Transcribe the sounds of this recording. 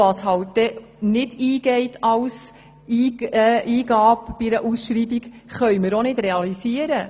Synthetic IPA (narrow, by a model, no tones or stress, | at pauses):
ɑshɑwt̚d̥ɛ | nɪdiːɡɛɪtʰɑws | iːʔiːɡɑːpb̥iɾəʔusʃɾiːbiɡχœʏməɾonɪdɾɛɑlisiəɾə